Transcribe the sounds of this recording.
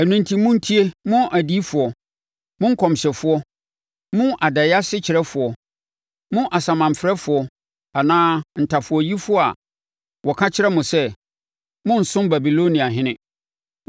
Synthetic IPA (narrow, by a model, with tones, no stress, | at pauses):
æ˨nũ˨ntʰi˦mʊ̃˦n̩˦tʰi˦e˦mʊ̃˦ʔæ˨di˦fʊ˨ɔ˨ | mʊ̃˦ŋ̩˦kʰɔ̃˨mɕɛ˨fʊ˦ɔ˦ | mʊ̃˦ʔa˨dɛ˨ja˦sɪ˦t͡ɕʰɪ˨ɾɛ˦fʊ˨ɔ˨ | mʊ̃˦ʔa˨sã˨mã˨m˨fɾɛ˦fʊ˨ɔ˨ | a˨nãː˦n̩˨tʰa˨fʊ˨ɔ˦ji˦fʊ˦ɔ˦a̰˨ | wɔ˨kʰã˦t͡ɕʰɪ˦ɾɛ˦mʊ̃˨sɛ˦ | mʊ̃˦n̩˨sʊ̃˦mba˨bi˨lo˦nĩ˨a˨ɦɪ̃˦nɪ̃˦